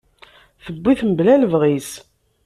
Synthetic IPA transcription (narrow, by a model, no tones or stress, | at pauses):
θəbʷːiθmblæləvʁis